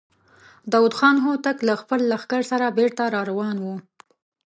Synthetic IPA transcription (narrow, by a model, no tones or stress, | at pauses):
d̪ɑwud̪xɑnɦot̪aklaxpəlːaxkaɾsaɾabeɾt̪aɾɑɾawɑnwu